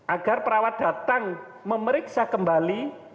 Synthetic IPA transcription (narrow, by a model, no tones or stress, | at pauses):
ʔaɡ̥a̤rpəɾawat̪̚d̥a̤t̪aŋ | məməɾɪksakəmbali